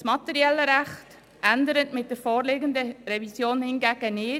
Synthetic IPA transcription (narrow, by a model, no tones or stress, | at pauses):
smɑt̪ɛɾiɛlːəɾæχt | ʔændəɾətmɪt̚d̥əɾfɔːɾleːɡəndəɾɛvisjoːnhɪnɡæːɡ̥ənɪː